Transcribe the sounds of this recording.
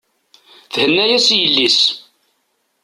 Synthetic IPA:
θhənːæjæsjəlːis

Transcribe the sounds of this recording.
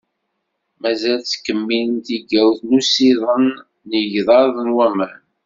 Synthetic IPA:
mæzælt͡sːkːəmːilənt̪iɡæwθnusiðˤənː | əʝðˤɑɾðˤənwæmən

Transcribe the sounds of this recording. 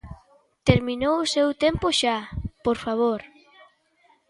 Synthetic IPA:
t̪eɾminowʊsewt̪empoʃapoɾfaβ̞oɾ

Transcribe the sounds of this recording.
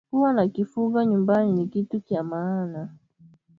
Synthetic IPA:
uwanakifuɡaɲumbaninikitukjamaːna

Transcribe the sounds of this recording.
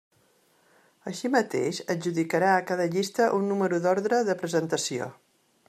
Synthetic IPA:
əʃimət̪ḛʃəd͡ʒuðikəɾaəkaðəʎist̪əʔunːuməɾuðɔɾðɾəðəpɾəzənt̪əsio̰

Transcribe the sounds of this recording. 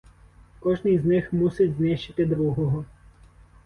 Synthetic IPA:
kɔʒnɪjznɪxmusɪtʲznɪʃt͡ʃɪt̪ɪd̪ɾuɦɔɦɔ

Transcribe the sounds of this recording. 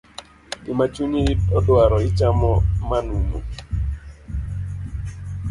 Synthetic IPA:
ɪmat͡ʃuɲiitɔdwaɾɔɪt͡ʃamɔmanumo̰

